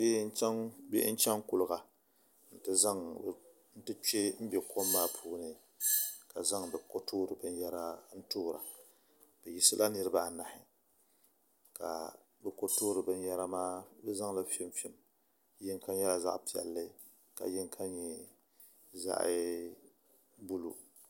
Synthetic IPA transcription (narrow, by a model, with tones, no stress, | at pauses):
bbɛ̰˦ʔn̩˦t͡ʃɛ˦ŋku˨lɨ˨ɡa˨ | n̩˦tɨ˦za˦ŋ˨ | n̩˦tɨ˦t͡ʃe˦m̩˦bɛ˨ko˦mːaː˦pʰuː˦nɨ˨ | ka˨za˦ŋbɛ˨ko˦toː˦ɾɨ˨bɨ˦n˦jɛ˦ɾa˦n̩˦toː˦ɾa̰˨ | b̥ɛ˨ji˨sɨ˦lʔa˦nɨ˦ɾɨ˦ba˦˨na˨hɪ˨ | ka̰˨ | bɛ˨ko˦toː˦ɾɨ˨bɨ˦n˦jɛ˦ɾa˦maː˦bɛ˦za˦ŋla˦fɪ˦mfɪ˦m | jɛ˦ŋka˦ɲ˦jɛ˦la˨za̰˦ʔpi˨ɛ̰˨lːɨ˦ | ka̰˨jɛ˦ŋkʰa˦ɲ˦ɲɛ˨ | za̰˦˨ʔɪ̰˦ | bu˦lṵ˦